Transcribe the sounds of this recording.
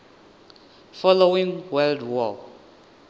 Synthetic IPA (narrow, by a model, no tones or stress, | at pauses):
fɔlowĩŋwɛldwɔ